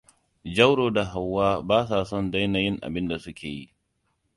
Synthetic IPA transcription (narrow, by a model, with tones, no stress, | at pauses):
d͡ʒɐ˦wɽoː˨da˨ɦa˨wːaː˦baː˦saː˨sɔ˦˨nda˦jnaː˨jɪ˦ŋʔa̰˨bɪ˦nda˨sʊ˦kʲeː˨jḭ˦ʔ